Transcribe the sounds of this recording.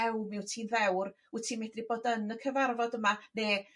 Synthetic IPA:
ɛwmɪwtʰiːnvɛwr | utʰiːnmedriboːdənəkʰəvarvɔdəmaneː

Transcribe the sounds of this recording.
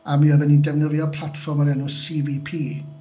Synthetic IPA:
amiːɔvɛnindɛvnəðjɔpʰlˠatfɔrmaɾɛnʊsiːvipʰiː

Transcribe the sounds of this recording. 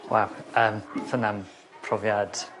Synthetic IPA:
wɛ̰ləːmθənam | pʰrɔvjad̥

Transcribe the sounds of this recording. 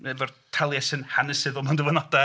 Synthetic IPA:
ɛvɔrtʰɛlˠjɛsɨnhanəsɨðɔmandəvɔnɔda

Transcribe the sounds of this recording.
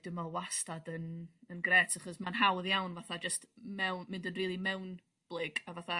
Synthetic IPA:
d̥ɪmalˠwastadənənɡrɛːtʰaχɔsmanɦawðjawnvaθad͡ʒəstmɛwnmɪndənriːlˠimɛwn | b̥lˠɪɡavaθa

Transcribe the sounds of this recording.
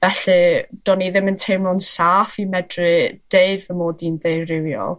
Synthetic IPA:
vɛɬɨd̥ɔniðɪməntʰejmɔnsaːfimɛdrɨd̥eɨdvəmoːdindejrrɪwjɔ̰lˠ

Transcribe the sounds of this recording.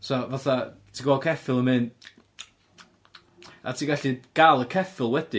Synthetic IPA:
sɔvaθatʰiːɡwɔkʰɛfɪlˠəmɨn | a̰tʰiːɡaɬiɡ̥alˠəkʰɛfɪlˠwɛd̥i

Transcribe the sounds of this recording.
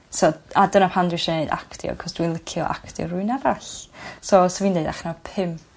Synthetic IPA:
sɔadənapʰandwɪʃɔneɨda̰kʰtjɔ̰kʰɔsd̥winlˠəkʰjɔ̰ʔa̰kʰtjɔ̰rʊɨnavaɬsɔsɔviːneɨdaχnapʰɪm

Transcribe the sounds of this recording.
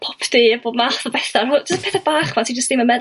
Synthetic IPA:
pʰɔpʰdiːboːdmaθɔbɛθarʊd͡ʒəspʰɛθabaːχwatʰid͡ʒəstd̥ɪmənmɛð

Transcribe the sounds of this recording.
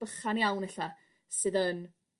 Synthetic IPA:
b̥əχanjawnɛɬa | sɨːðən

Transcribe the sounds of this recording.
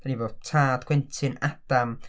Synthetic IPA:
d̥aniboːdtʰaːdɡ̥wɛntʰɨnʔad̥am

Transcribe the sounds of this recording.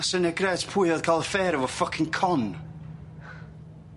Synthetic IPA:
sənɛɡrɛːtʰpʰʊjəðkʰalˠəfɛːɾəvɔfəkʰɪ̃ŋkʰɔn

